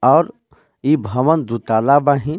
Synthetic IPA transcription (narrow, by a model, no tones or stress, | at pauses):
ɔːɾ | ibʱəʋənd̪ut̪alabaɦi